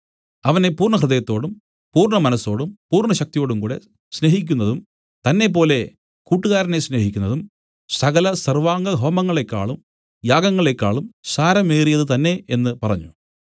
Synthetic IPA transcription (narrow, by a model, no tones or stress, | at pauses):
ɐʋɐne̞puːrɳɐɦrɨðɐjɐt̪ːo̞ːɽum | puːrɳɐmɐnɐsːo̞ːɽumpuːrɳɐɕɐk̚t̪ijo̞ːɽumkuːɽe̞̰ | sne̞ɦikʲːunːɐðum | t̪ɐnːe̞p̬ːo̞ːle̞ | kuːʈːuɣaːɾɐnesne̞ːɦikʲːunːɐðum | sɐɣɐlɐsɐrʋaːŋɡɐɦoːmɐŋːɐɭe̞kːa̰ːɭum | jaːɡɐŋːɐɭe̞kːaːɭumsaːɾɐmeːrijɐðɨt̪ɐnːe̞enːɨpɐrɐ̰ɲːu